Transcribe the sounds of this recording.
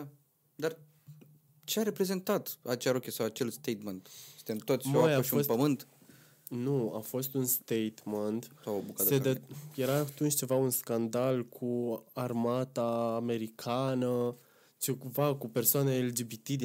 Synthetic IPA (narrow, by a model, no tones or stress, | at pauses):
a | d̪ar | t͡ʃeaɾepɾe̞ze̞nt̪at̪at͡ʃeaɾokʲesawat͡ʃelst̪ejt̪ment̪st̪emt̪ot̪sʲmajaoiuospəmɨnt̪ | nua̰fo̞st̪unst̪ejt̪meənt̪saobukat̪seeje̞ɾat̪unt͡ʃʲt͡ʃe̞vaunskand̪alkʰuarmat̪aːme̞ɾikʰanə | t͡ʃekuvakupe̞rsoaneaeld͡ʒibit̪id̪